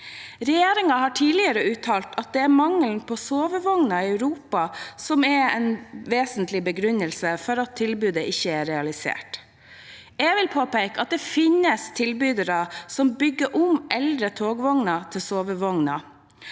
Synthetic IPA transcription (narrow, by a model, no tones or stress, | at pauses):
ɾɛjeːɾɪŋɑhɑːʈʰiːlɪəɾəʉːt̪ʰɑːlt̪ʰɑt̪̚d̪ɛæmɑŋəlnpʰɔsoːʋəʋɔŋnɑɪɑʉɾuːpɑsɔmɛɛnʋeːsənt̪lɪbəɡɾʉnːəlsəfɔɾɑt̪ʰːɪlbʉːd̪əʔɪçːəæɾɛɑlɪsḛːʈ | ɛɡʋɪlpʰoːpɛɪkɑt̪̚d̪ɛfɪnːəst̪ʰɪlbyːd̪əɾɑsɔmbʏɡːəɾʔɔmʔɛld̪ɾət̪ʰoːɡʋɔŋnɑt̪ʰɪlsoːʋəʋɔŋnɑ